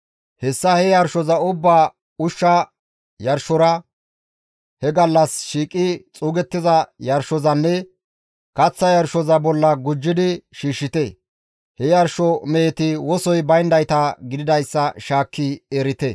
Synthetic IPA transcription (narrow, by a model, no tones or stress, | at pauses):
hɛsːɐhɛjɐɾʃɔzɐʊbːaː | ʊʃːɐ | jɐɾʃɔɾɐ | hɛɡɐlːɐsʃiːkʼɪt͡sʼuːɡɛt̪ːɪzɐjɐɾʃɔzɐnːɛ | kɐt͡sːɐjɐɾʃɔzɐbɔlːɐɡʊd͡ʒːɪd̪ɪʃiːʃːɪt̪ɛ | hɛjɐɾʃɔmeːt̪ɪwɔsɔjbɐjnd̪ɐjt̪ɐɡɪd̪ɪd̪ɐjsːɐʃaːkːieːɾɪt̪ɛ